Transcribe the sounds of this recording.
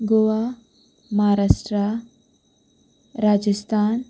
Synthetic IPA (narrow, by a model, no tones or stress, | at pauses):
ɡoʋa | maɦaɾaʂʈɾa | ɾad͡ʒəst̪ʰaːn